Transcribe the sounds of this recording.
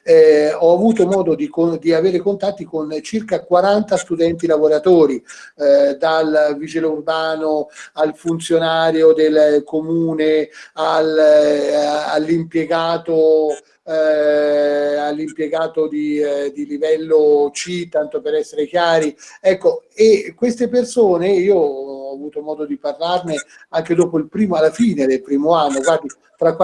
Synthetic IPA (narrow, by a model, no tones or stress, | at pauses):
ɛɔavuːt̪omɔːd̪od̪ikod̪iaveːɾekont̪at̪ːikont͡ʃirkakwaɾant̪ast̪ud̪ɛnt̪ilavoɾat̪oːɾi | d̪alvid͡ʒilurbaːnoalfunt̪sjonaːɾjod̪elkomuːneal | alːimpjeɡaːt̪o | alːimpjeɡaːt̪od̪id̪ilivɛlːot͡ʃit̪ːant̪opeɾɛsːeɾek̟jaːɾiɛkːoekːwest̪epersoːneiːoɔːvuːt̪omɔːd̪od̪iparlarne | aŋked̪ɔːpoilpɾiːmoalːafiːned̪elpɾiːmoanːokɡwaːd̪i | t̪ɾakːwa